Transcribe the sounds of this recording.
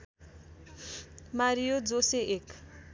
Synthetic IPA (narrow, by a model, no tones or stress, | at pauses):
maɾijod͡zoseʔek